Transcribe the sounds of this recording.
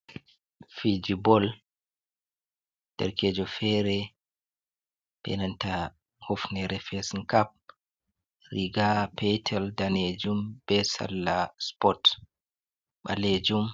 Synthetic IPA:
fid͡ʒibɔl | d̥ɛ̰ɾked͡ʒɔfɛɾɛ | ɓɛ̰nanta | hofnɛɾɛfɛsŋkap̚ | riɡapʰɛtʰɛldaned͡ʒumb̥ɛsa̰lːaspɔt | ɓa̰led͡ʒum

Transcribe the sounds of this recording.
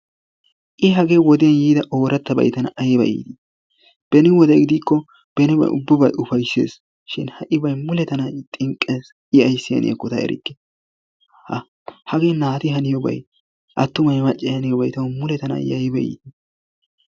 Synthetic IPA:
ʔɪɦɐɡewɔd̪ɪjɐnjiːd̪ɐʔo̞ːɾɐt̪ːɐbɐ̰jt̪ɐnɐʔɐjbɐ̰ʔḭːt̪ɪ | b̥ɛnɪwɔd̪ɛjɡɪd̪iːkːɔ | b̥ɛnɪbɐ̰ʊbːɪbɐjʊfɐjsːḛːs | ʃɪnhɐʔɪbɐjmʊlɛt̪ɐnɐt̪ʼɪŋkʼːeːs | ʔɪɐjsːɪjɐ̰nʔɪ̰jɐ̰kːʊt̪ɐʔɛ̰ɾʔɪ̰kːɛ̥ | hɐ | hɐɡeːnaːt̪ɪɦɐnɪjɔbɐ̰j | ʔɐt̪ːʊmɐjmɐt͡ʃʼːɪhɐnɪjɔbɐjt̪ɐwmʊlɛt̪ɐnɐ̰jɐjbɐjḭːt̪̚ɪ

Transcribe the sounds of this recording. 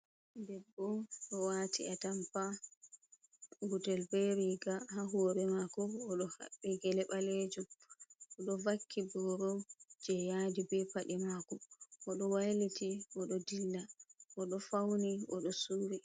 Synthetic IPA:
dɛbːɔɗɔwatḭatampa | ɡutɛlbɛɾiɡahaɦɔːɾɛmakɔːɗɔha̰ɓːiɡɛlɛɓaled͡ʒuʔɔɗɔvakʰːibɔɾɔd͡ʒɛjadibɛpaɗɛmakɔʔɔɗɔwajlitiʔɔɗɔdilːaʔɔɗɔfawniʔɔɗɔsuːɾi

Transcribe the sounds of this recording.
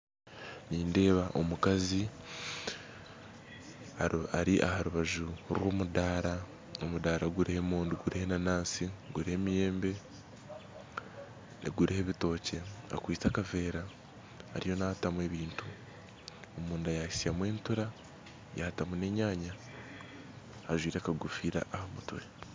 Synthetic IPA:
niːnde̞ːβaʔo̞mukazi | aɾiʔahaɾuβaʒuɾwo̞ːmudaːɾa | omudaːɾaɡuɾihe̞muːnduɡuɾihenanaːnsiɡuɾihe̞mije̞ːmbe̞ | nḛɡuɾihe̞βito̞ːce̞a̰kwiːt͡sakave̞ːɾa̰ː | ɾijo̞nahtamwe̞βiːntu | omuːndajahisijamwe̞ːntuɾa | jahtamune̞ɲaːɲa | aʒwiːɾakaɡufiːɾa̰ʔahamute

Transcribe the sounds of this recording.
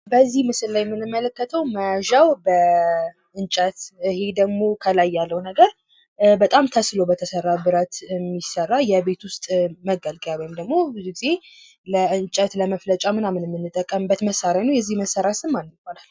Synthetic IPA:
bəzːihmɨsɨllajɛmːɨnɨmːələkːət̪ʰəwməʒawbə | ʔɨnt͡ʃʼət̪ɨhe̞d̪əɡmo̞kʰəlajːalːəwnəɡəɾ | bət̪ʼamt̪ʰəslobət̪ʰəsərːabɨɾət̪ɨmːisərːajɛbe̞t̪wʊst̪ʼməɡəlkʼjawɔjmd̪əɡmo̞bɨzuɡize̞ | ləɨnt͡ʃʼət̪ləməflət͡ʃʼamɨnamɨnmːɨnːɨt̪ʼːəkʼːəmɨbːət̪məsaɾanəjɛzːihməsːəɾasɨmːanɨkonal

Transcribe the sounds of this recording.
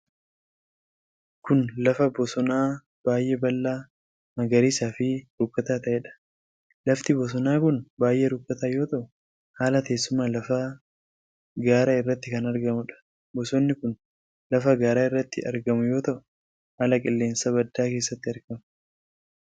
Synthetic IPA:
kʊnlɐfɐbɔsɔnaː | b̥aːjʔɛbɐlːaː | mɐɡɐɾiːsaːfɪɾʊkːɐt̪aːt̪ɐʔɛᶑɐ̥ | lɐft̪ɪbɔsɔnaːkʊnbaːjʔɛɾʊkʼːɐt̪aːjo̞ːt̪ɐʔʊ | haːlɐt̪e̞ːsːʊmaːlɐfɐ | ɡaːɾaːɪrːɐt̪ːɪkɐnɐɾɡɐmʊᶑɐ̥ | bɔsɔnːɪkʊn | lɐfɐɡaːɾaːɪrːɐt̪ːɪɐɾɡɐmʊjo̞ːt̪ɐʔʊ | haːlɐkʼɪlːe̞ːnsɐbɐd̪ːaːke̞ːsːɐt̪ːɪɐɾɡɐm

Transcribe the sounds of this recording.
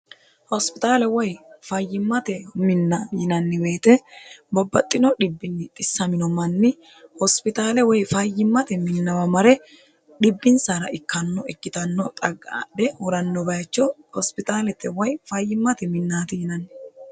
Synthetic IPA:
hɔspɪt̪ʼaːlɛwɔjfɐjːɪmːɐt̪ɛmɪnːɐjɪnɐnːɪbe̞ːt̪ɛbɔbːɐt̪ʼːɪnɔɗɪbːɪnːɪt̪ʼɪsːɐmɪnɔmɐnːɪ | hɔspɪt̪aːlɛwɔjfɐjːɪmːɐt̪ɛmɪnːɐwɐmɐɾɛ | ɗɪbːɪnsaːɾɐʔɪkːɐnːɔɪkːɪt̪ɐnːɔt̪ʼɐɡːaɗɛhʊɾɐnːɔbɐjt͡ʃːɔhɔspɪt̪ʼaːlɛt̪ːɛwɔjfɐjːɪmːɐt̪ɛmɪnːaːt̪ɪjɪnɐnː

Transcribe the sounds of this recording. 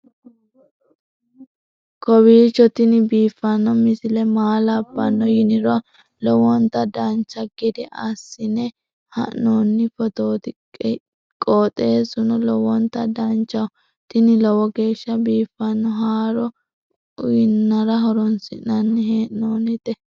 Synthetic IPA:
kɔwiːt͡ʃːɔt̪ɪnɪbiːfːɐnːɔmɪsɪlɛmaːlɐbːɐnːɔjɪnɪɾɔ | lɔwɔnt̪ɐd̪ɐnt͡ʃːɐɡɪd̪ɛʔɐsːɪnɛ | hɐ̰nːoːnːɪfɔt̪oːt̪ɪ | kʼoːt̪ʼe̞ːsʊnɔlɔwɔnt̪ɐd̪ɐnt͡ʃːɐw | t̪ɪnɪlɔwɔɡe̞ːʃːɐbiːfːɐnːɔɦaːɾɔ | ʊjɪnːɐɾɐɦɔɾɔnsɪnɐnːɪheːʔnoːnɪt̪ɛ

